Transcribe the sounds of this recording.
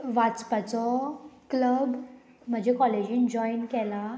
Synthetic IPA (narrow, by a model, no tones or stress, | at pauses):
ʋat͡spat͡sɔkləb | m̤əd͡ʑʱekɔled͡ʑĩːnd͡ʑɔinkɛlã